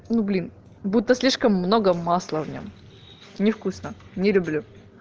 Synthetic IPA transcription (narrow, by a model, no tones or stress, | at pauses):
nublʲin | but̪ːəsʲlʲiʂkəmːnoɡəmaslˠəvnʲo̰m | nʲɪfkusnənʲɪlʲʊblʲu